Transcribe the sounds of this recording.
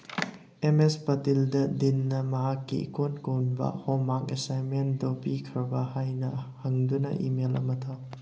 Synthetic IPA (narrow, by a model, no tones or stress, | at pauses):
emespɐtildɐdinːɐmɐɦakːḭkonkownbɐ̰homakesajnmendopikʰɐɾbɐhajnɐhɐŋdunɐ̰ʔimelɐ̰mɐtʰaw